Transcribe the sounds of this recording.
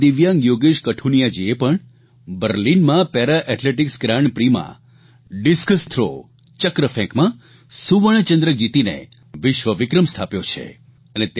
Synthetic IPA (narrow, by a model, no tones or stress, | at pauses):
ɪʋjãŋɡjoɡeʃkəʈʰunijad͡ʒiepəɳ | bəɾlinmãpeɾaʔɛʈleʈiksɡɾãɳpɾimã̰ | ɖiskəst̪ʰɾo̰ | t͡ʃəkɾəfʰɛ̃kmã | suʋəɳ̃t͡ʃə̃nd̪ɾəd͡ʒit̪inḛ | ʋɪʃʋəʋɪkɾəmst̪ʰapjot͡ʃʰḛ | ənet̪